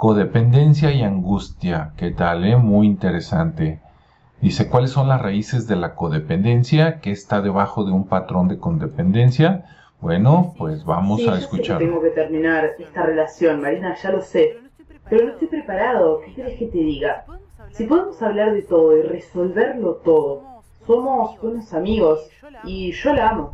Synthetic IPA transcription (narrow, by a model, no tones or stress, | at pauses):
ko̞ðe̞pe̞nd̪e̞nsjaiaŋɡust̪jake̞t̪alemujint̪e̞ɾe̞sant̪e̞ | ðise̞kwalesːo̞nlasraise̞zðe̞lako̞ðe̞pe̞nd̪e̞nsjake̞ːst̪aðe̞β̞axo̞ðeumpat̪ɾo̞nd̪e̞ko̞nd̪e̞pe̞nd̪e̞nsja | bwe̞no̞pwe̞zβa̰mossaeskut͡ʃaɾt̪eeŋɡoket̪eɾmĩnaɾest̪are̞lasjo̞nmaɾinaʒalo̞se̞ | peɾonoest̪ojpɾepaɾaðokekjeɾehket̪eðiɣasipo̞ðemo̞saβlaɾðe̞t̪o̞ð̞o̞ire̞so̞lβe̞ɾlo̞t̪o̞ðo | so̞mo̞sβweno̞samiɣo̞s | iʒ̥o̞laamo